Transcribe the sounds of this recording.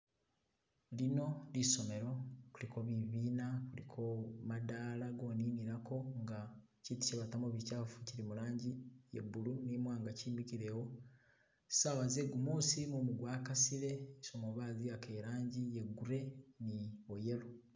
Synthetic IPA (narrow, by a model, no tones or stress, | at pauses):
lino̞liʃo̞me̞ɾo̞kulikʰoβiβiːnakulikʰomadaːlaɡoːniːniɾako̞ŋɡa | citi̥ʃeβatamoβicaːfu̥ciɾimuɾaːɲɟijḛbulunimwaːŋɡaciːmikiɾe̞wo̞̥ | sawazeɡumuːsimumuɡwaːkasiɾe̞ʃomoβaːziakeɾaːɲɟijeɡuɾe̞nioje̞ɾo